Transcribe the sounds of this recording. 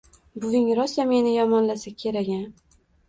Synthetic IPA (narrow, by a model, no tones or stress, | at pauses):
bʊvɪŋɾɒsame̞nɪjɒmɒnlasakʲʰe̞ɾaɡʲan